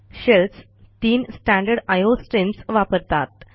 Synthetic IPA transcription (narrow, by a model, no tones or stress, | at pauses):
ɕels | t̪iːnsʈæ̃ɳɖəɾɖajosʈɾimsʋapəɾt̪at̪̚